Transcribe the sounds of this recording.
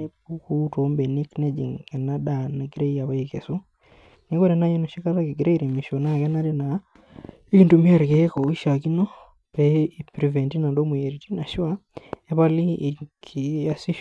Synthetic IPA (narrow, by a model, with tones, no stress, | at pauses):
e˦bu˦ku˦to˨˦mbe˨ni˦kne˦d͡ʒḭ˨ŋkɛ˨na˦da˨na˨ɡi˦ɾe˦i˦ja˨βa˦i˨ke˨su˦ | ne˨˦ko˦ɾe˨na˦jo˦no˨ʃi˦ka˦la˦ki˨ɡɾe˦i˦ɾi˨mi˨ʃo˨na˦˨kɛ˦na˦ɾe˦na˨ | i˦ki˨ntu˨mi˦a˦ɾke˦ko˨i˦ʃa˨ki˦no˦ | pɛ˦i˨pɾi˨vɛ˨nti˦na˨ndo˦mu˨je˨ɾi˨ti˦na˨ʃi˦wa˦e˦pa˦li˦˨kʰi˨a˦si˦